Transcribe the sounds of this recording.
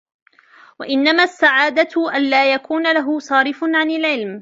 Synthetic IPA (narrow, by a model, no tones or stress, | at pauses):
waʔɪnːamaːsːaʕaːd̪aʔanlaːjakuːnalaɦʊsˤɑːɾɪfnʕanɪlʕɪlm